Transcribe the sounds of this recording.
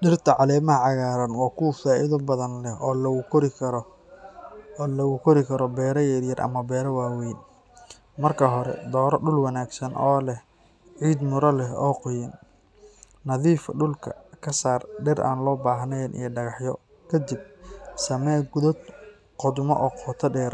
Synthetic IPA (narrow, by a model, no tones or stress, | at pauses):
ɖɪrt̪ʰɐʕɑlɛːmɐɦɐʕɑɣaːɾɐnwɑːkʰuwfaːʔɪðʊbɐðɐnlɛhɔːlɐʊkʰɔɾɪɐ | lɐɣʊkʰɔɾɪkʰɐɾɔbɛːɾɐjɛɾjɐrʔɐ̰mɐbɛːɾɐwaːwɛjn | mɐrkʰɐɦɔɾɛ̰d̪ɔːɾɐɖʊlwɑnaːɡsɐnʔɔːlɛh | ʕiːd̪mʊɾɐlɛɦɔːqɔjɪn | nɐðiːfɐɖʊlkʰɐ̰kʰɐsaːrɖɛɾʔa̰ːnlɔːbaːɦnɛjnʔḭjɞɖɐɣɑħjɔ | kʰɐd̪ɪb̚sɐmɛːɡʊðɔd̪ | qɔd̪ʊmɔʔɔːqʰɔːt̪ʰɐɖɛːr